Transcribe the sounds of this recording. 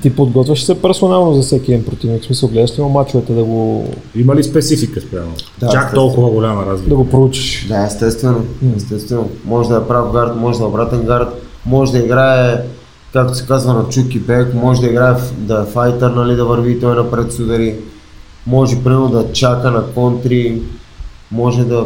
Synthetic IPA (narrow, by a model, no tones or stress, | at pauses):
t̪ipod̪ɡɔt̪vʲəʃsɛpɛɾsonalˠnozɐsɛkʲiɛd̪inpɾot̪ivniksmisəlˠɡlɛd̪əʃt̪imomat͡ʃuɐt̪ɛd̪ɐɡo | imɐlispɛt̪sifikəspɾʲamɛld̪at͡ʃakt̪t̪ɔlˠkʊvɐɡolʲamɐɾazld̪ɐɡopɾout͡ʃi̥ʃd̪aɛst̪ɛst̪vɛnoɛst̪ɛst̪vɛnomɔʒɛd̪ɐɛpɾafɡaɾt̪mɔʒɛd̪ɐɛobɾat̪ɛnɡaɾt̪ | mɔʒɛd̪ɐiɡɾaɛ | kakt̪o̥sɛ̥kazvɐnɐt͡ʃukibɛkmɔʒɛd̪ɐiɡɾaɛd̪aɛfajt̪ɛɾnalid̪ɐvəɾviːt̪ɔjnɐpɾɛt̪sud̪ɛli | mɔʒɛpɾimɛlˠod̪ɐt͡ʃakənɐkɔnt̪ɾi | mɔʒɛd̪ɐ